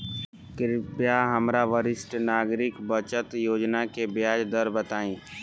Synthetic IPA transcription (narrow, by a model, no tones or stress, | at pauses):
kɪɾpjaɦɐmɾaʋəɾɪsʈnaːɡɾɪkbət͡ʃət̪joːd͡ʒnakebjaːd͡ʒd̪əɾbət̪aːĩː